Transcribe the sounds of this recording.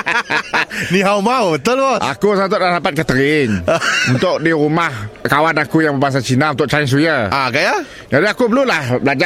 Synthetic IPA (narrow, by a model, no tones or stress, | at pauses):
niɦawmabət̪ʊlboʔa̰kusat̪̬ʊʔlahdapat̪̚kət̪əɾɪnunt̪ʊʔ̚diɾumahkawanakujaŋbəbaŋs̬at͡ʃinaunt̪ʊʔ̚t͡ʃains̬ujaakaja | d͡ʒadiakubəlulahbəlad͡ʒa